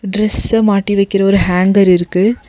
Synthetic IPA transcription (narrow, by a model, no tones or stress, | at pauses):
ɖɾɛsɐmaːʈːiʋɐɪkːɪɾɐɔɾɯɦaːŋɡɐɾɪɾɯkːɯ